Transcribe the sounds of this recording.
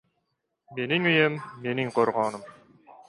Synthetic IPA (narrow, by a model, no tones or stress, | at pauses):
meniŋyjømːeniŋqʰoɾʁonum